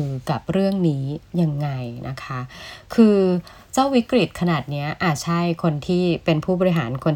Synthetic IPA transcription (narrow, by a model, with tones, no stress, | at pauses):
ka˨˩p̚ɾɯ˥˩əŋniː˦˥ja˧ŋːa˧jnʔa̰˦˥kʰa˦˥kʰɯː˧ | t͡ɕaː˥˩wi˦˥kɾi˨˩t̪̚kʰa˧naː˨˩t̪̚ni˦˥ɐʔaː˨˩t̪̚t͡ɕʰa˥˩jkʰo˧nt̪ʰiː˥˩pe˧npʰuː˥˩bɔː˧ɾi˦˥ɦaː˩˦nkʰo˧n